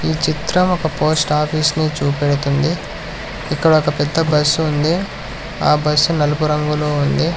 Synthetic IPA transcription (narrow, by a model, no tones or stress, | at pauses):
iːt͡ʃit̪ɾɐmɔkɐpo̞ːsʈaːpʰiːsniːt͡ʃuːpeɽut̪und̪iː | kːɐɽɐɔkɐpɛd̪ːɐbɐsːuund̪i | aːbɐsːunɐlupuɾɐŋɡuloːund̪i